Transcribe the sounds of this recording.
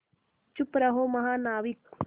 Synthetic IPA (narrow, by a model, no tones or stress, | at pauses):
t͡ʃupɾaɦomɐɦanaːwik